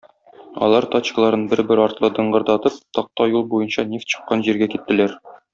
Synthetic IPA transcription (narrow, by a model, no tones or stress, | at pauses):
ɒ̰lˠɑɾt̪ɑt͡ɕkə̆lˠɑɾɤnbɘɾbɘɾɒɾt̪lˠɤd̪ɤ̆ɴɢɤ̆ɾd̪ɑt̪ɤp̚t̪ɒq̚t̪ɑjulˠbujɤnɕɑnʲeft̪ɕɤ̥̆qːɑnʑiɾɡækit̪ːɘ̆læɾ